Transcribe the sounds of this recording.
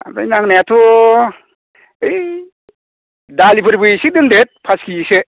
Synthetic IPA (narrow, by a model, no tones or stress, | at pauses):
a̰pa̰jnaŋnajatʰu | ɯj | dalibɯɾbɯjsik̚dɯŋdet̚pʰaskise